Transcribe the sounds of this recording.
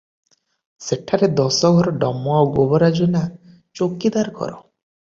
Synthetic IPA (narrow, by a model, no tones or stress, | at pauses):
seʈʰːaɾed̪ɔsɔɡʱɔɾɔɖɔmɔaɡobɔɾad͡ʒona | t͡ʃokid̪aɾɡʱɔ̰ɾɔ̰